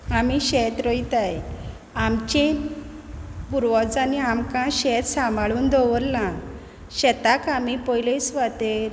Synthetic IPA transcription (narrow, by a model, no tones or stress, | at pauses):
amiɕɛt̪ɾɔit̪aj | amt͡ɕẽ | puɾʋɔd͡zaniamkãɕɛt̪sambaɭuːnd̪ʱɔʋəɾlã | ɕɛt̪akamipɔjlesʋat̪eɾ